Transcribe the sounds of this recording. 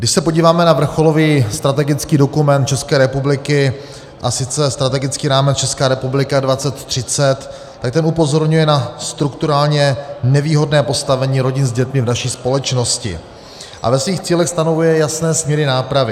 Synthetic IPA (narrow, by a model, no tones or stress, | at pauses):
ɡdɪʃsɛpo̞ɟiːvaːmɛnavr̩xo̞lo̞viːst̪ɾat̪ɛɡɪt͡skiːdo̞kumɛnt̪̚t͡ʃɛskɛːɾɛpublɪkɪ | ʔasɪt͡sɛst̪ɾat̪ɛɡɪt͡skiːɾaːmɛt͡st͡ʃɛskaːɾɛpublɪkadvat͡sɛt̪ːr̝̥ɪt͡sɛt̪ː | ak̚t̪ɛnupo̞zo̞ɾɲujɛnast̪ɾukt̪uɾaːlɲɛnɛviːɦo̞dnɛːpo̞st̪avɛɲiːɾo̞ɟɪnzɟɛt̪mɪvnaʃiːspo̞lɛt͡ʃno̞scɪ̰ | ʔa̰vɛsviːxt͡siːlɛxst̪ano̞vujɛjasnɛːsmɲɛɾɪnaːpɾavɪ